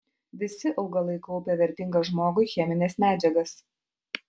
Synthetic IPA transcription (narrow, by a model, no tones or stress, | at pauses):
ʋʲɪsʲɪʔɒʊɡɐlˠɐɪkɔʊpʲɛʋʲɛɾʲt̪ʲɪŋɡɐʒmoːɡʊɪxʲɛmʲɪnʲeːsmʲæːd͡ʒʲɛɡɐs